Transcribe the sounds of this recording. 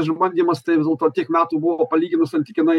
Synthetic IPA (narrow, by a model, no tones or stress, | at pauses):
ʒmbɐnʲdʲiːmɐst̪ɐɪʋʲɪzdʲelˠt̪oːtʲiɛkmʲæːt̪uːbʊʋoːpɐlʲiːɡʲɪnʊsɐnʲt̪ʲɪkʲɪnɐɪ